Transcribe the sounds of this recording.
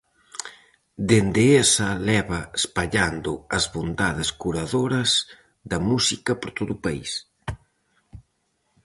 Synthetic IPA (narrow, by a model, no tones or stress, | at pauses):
d̪end̪eesɐlɛβɐespaʎand̪ʊɐzβond̪aðɪskuɾaðoɾɐz | d̪ɐmusikɐpoɾt̪oðʊpaḭs